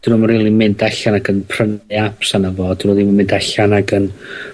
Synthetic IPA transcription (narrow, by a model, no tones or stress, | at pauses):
d̥nʊmriːlˠimɪndaɬanaɡənpʰr̥ənɨapʰsanəvɔd̥nɔðimmɪndaɬanaɡən